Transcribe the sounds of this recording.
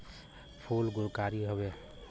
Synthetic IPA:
pʰulɡʊɾkaːɾiɦəwe

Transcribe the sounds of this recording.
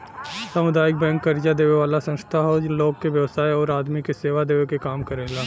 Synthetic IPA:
sɐmʊd̪aːjɪk̚bɛ̃ːŋkːɐɾd͡ʒad̪eːʋeʋaːlasɐ̃nst̪ʰaɦoloːɡ̚keʋjɐʋsaːeɔːɾaːd̪mikeseːʋad̪eːʋekekaːmkɐɾeːlaː

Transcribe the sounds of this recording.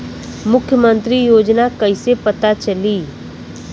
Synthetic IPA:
mʊkʰjəmə̃nt̪ɾijoːd͡ʒnakɐisepɐt̪at͡ʃɐliː

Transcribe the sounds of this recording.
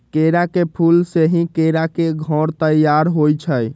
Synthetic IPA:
keɾakepʰulseɦĩkeɾakeɡʱɔɾt̪əjaɾɦojt͡ʃʰəj

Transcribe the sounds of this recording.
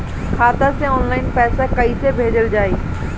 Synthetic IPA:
kʰaːt̪asẽɔːnlaːɪnpɛːsakɐisebʱeːd͡ʒəld͡ʑaːeː

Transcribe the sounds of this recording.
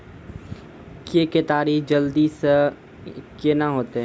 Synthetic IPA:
keket̪aːɾiːhd͡ʒəld̪is | kenaɦoːt̪eɛ̃

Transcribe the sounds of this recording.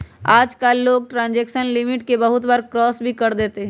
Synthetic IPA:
aːd͡ʒkaːlːoːɡ̚ʈɾãːnd͡ʒɛːkʃənlɪmɪʈkebɐɦʊt̪baːɾkɾɔːsbʱikɐɾd̪eːt̪eɦ

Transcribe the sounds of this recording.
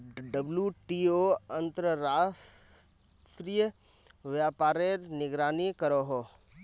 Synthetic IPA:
ɖəbljuʈioɐ̃nt̪ɾəɾaːs | t̪ɾijə | ʋjaːpaːɾeɾnɪɡɾaːnikəɾoɦoː

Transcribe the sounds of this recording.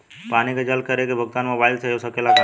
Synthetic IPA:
paːniked͡ʒəlkəɾekebʱəɡ̚t̪aːnmẽʋaːjd̪seosəkelakə

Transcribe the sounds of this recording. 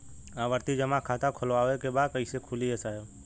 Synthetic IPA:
aːʋəɾt̪id͡ʒəmakʰaːt̪akʰʊlʋaːʋekebaːd̪̚kəisekʰʊliesaːjo

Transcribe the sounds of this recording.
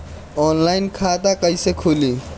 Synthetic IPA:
ɔːnlaːɪnkʰaːt̪akəisekʰuːliː

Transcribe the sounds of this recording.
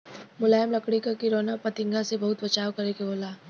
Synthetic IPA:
mʊlaːjmlɐkɽikakiɾoːnapɐt̪ɪ̃ŋɡasebɐɦʊt̪bɐt͡ʃaːwkɐɾekeboːlaː

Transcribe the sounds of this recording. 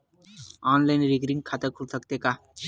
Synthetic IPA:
anlajinɾiɡɾiŋɡkʰat̪əɾkʰusəkt̪eka

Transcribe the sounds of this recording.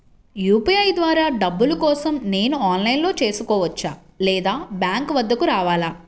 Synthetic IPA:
juːpiɐjd̪ʋaːɾaːɖɐbːulukɔːsɐmne̞ːnuaːnlɐjnlo̞ːt͡ʃe̞ːsukɔːʋɐt͡ʃːaː | lɛːd̪aːbjaːŋkʋɐd̪ʱːɐkuɾaːʋaːlaː

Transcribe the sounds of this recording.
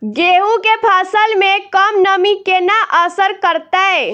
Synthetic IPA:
ɡeɦukepʰasəlmekəmnəmikenaʔəsəɾkəɾt̪ɛ

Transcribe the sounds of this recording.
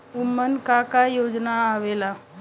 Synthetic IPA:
umːənkakajod͡ʒnaːʋela

